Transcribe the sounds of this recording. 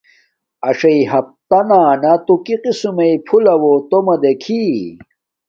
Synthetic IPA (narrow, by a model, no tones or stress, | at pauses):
ɐʂɐiɦɐp̚t̪ɐnaːnɐt̪ukiqisumɐipʰulɐwot̪omɐd̪ekʰi